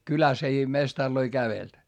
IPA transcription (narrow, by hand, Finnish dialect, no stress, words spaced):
kylæs ei mestɑrloi kæʋelt